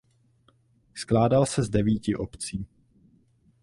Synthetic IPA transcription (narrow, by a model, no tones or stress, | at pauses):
sklaːdalsɛzdɛviːcɪʔopt͡siː